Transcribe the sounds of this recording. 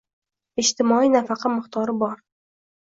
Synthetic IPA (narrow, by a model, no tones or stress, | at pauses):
ɪd͡ʒt̪ʰɪmɒinafɑqʰɑmɪχt̪ʰɒɾɪbɒɾ